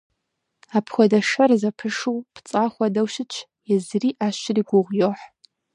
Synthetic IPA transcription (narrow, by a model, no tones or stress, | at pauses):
apʰxʷɔdɐʂɐrzɐpʰɨʂuwpʰt͡sʼaːxʷɐdɐwʃɪt͡ʃʰ | jɛzriːʔaːʃɪriːɡʷʊʁʷjoħ